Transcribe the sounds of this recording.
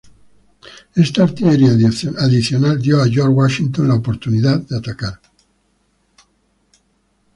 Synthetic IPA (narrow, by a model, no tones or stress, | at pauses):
est̪aɾt̪iʎeɾiaaðiθjonald̪joaʝoɾwaʃint̪onlaopoɾt̪uniðaðd̪eat̪akaɾ